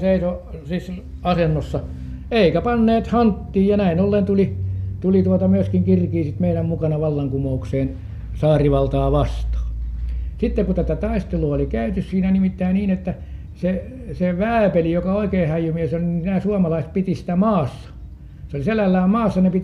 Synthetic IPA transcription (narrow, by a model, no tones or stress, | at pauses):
seisosis | ɑsenːosːɑ | eikæpɑnːeːt̪hɑnt̪ːiːjɑnæinolːent̪ulit̪ulit̪uot̪ɑmyøskiŋkirkiːsit̪meiɾæmmukɑnɑʋɑlːɑŋkumoukseːn | sɑːriʋɑlt̪ɑːʋɑst̪ɑ̥ːsit̪ːekut̪æt̪æt̪ɑist̪eluɑolikæyt̪yssiːnænimit̪ːæiniːnet̪ːæ | se | seʋæːpelijokɑoikeːhæjumiesolininæːsuɑmɑlɑiset̪̚pit̪isi̥t̪æmɑːsːɑ̥ | seoliselːælːæːmmɑːsːɑnepit̪